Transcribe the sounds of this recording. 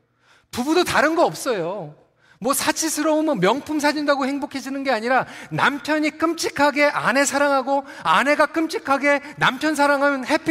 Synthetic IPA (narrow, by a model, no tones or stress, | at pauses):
tubudotaɾɯnɡʌʌp̚s͈ʌjo | mwʌsʰat͡ɕʰisʰɯɾʌumɯnmjʌŋpʰumsʰad͡ʑindaɡohe̞ŋbokʰe̞d͡ʑinɯnɡe̞aɲiɾanampʰjʌɲik͈ɯmt͡ɕ͈ikʰaɡe̞ʔa̰ne̞sʰaɾaŋɦaɡo | ane̞ɡak͈ɯmt͡ɕ͈ʰikʰaɡe̞nampʰjʌns̬ʰaɾaŋɦamjnɦepʰ